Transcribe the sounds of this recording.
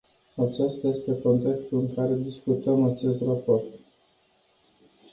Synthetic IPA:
at͡ʃast̪aje̞st̪e̞ko̞nt̪e̞kst̪ulɨŋkaɾe̞d̪iskut̪əmat͡ʃe̞st̪rapo̞rt̪

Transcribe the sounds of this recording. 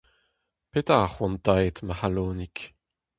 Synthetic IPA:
pet̪aaχwɔ̃nt̪ajt̪maχaloːnik

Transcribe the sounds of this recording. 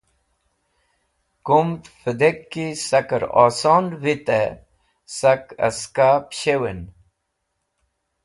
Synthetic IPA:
kumt̪fəd̪ekːisɐkəɾoːsoːnʋit̪e | sɐkɐ̰skaːpɕewen

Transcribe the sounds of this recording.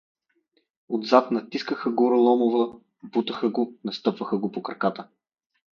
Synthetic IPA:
od̪zat̪nɐt̪iskəxəɡuɾɐlˠɔmovə | but̪əxəɡonɐst̪ɤpvəxəɡopokɾɐ̰kat̪ə

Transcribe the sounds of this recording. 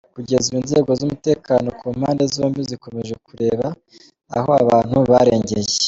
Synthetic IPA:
kuɟe̞zuinze̞ːɡo̞zumute̞ːkaːno̞kʰuːmhaːnde̞zoːmbiziko̞me̞ʒe̞kuɾe̞ːβa | a̰ho̞aβaːn̥huβaɾe̞ːɲɟe̞je

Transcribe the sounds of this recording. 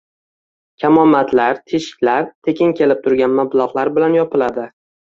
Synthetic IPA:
kʲʰamɒmːat̪ʰlaɾt̪ʰeʃɪ̥kʲlaɾt̪ʰe̞kʲʰɪŋkʲʰe̞lɪp̚t̪ʰʊɾɡʲanmablˠɒʁlˠaɾbɪlanjɒpʰɪlad̪ɪ

